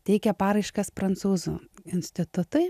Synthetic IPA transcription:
t̪ʲɛɪkʲɛpɑːɾɐɪʃkɐspɾɐnt̪suːzṵːɪnʲsʲt̪ʲɪt̪ʊt̪ʊɪ

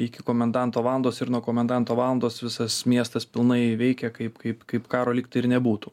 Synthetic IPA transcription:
ɪkʲɪkoːmʲɛnd̪ɑnt̪oːʋɑːlˠɐnd̪oːsɪɾnuɔkoːmʲɛnd̪ɑnt̪oːʋɑːlˠɐnd̪oːsʋʲɪsɐsmʲiɛst̪ɐspʲɪlˠnɐɪʋʲɛɪkʲɛkɐɪpkɐɪpkɐɪpkɑːɾoːlʲɪːk̚t̪ɪɾnʲɛbuːt̪uː

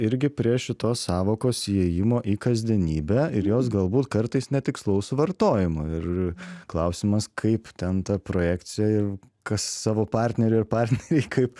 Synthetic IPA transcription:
ɪɾʲɡʲɪpʲɾʲiɛʃʲɪt̪oːssɑːʋoːkoːsɛːjɪmoːʔiːkɐzʲd̪ʲiɛnʲiːbʲɛɪɾjoːs̬ɡɐlˠbuːt̪kɐɾt̪ɐɪsnʲɛt̪ʲɪkslˠɐʊsʊʋɐɾt̪oːjɪmʊɪrklˠɐʊsʲɪmɐskʰɐɪpt̪ʲɛnt̪ɐpɾoːjæːk̪t͡ssʲɪjɛɪr | kɐssɑːʋoːpɑɾʲt̪ʲnʲɛɾʲʊɪɾpɑrʲt̪ʲnʲɛɾʲɛɪkʰɐɪp

